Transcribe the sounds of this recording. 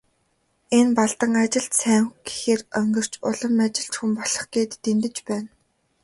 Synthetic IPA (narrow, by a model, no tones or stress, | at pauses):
enpaɮt̪ə̆ŋat͡ɕɪ̆ɬt̪sæːŋxɡe̥xeːrœŋɡɵ̆r̥t͡ɕʊɮə̆mat͡ɕɪ̆ɬt͡ɕxumpɔɮɞ̥̆χɡeːt̪ːent̪ɘ̆t͡ɕpæːn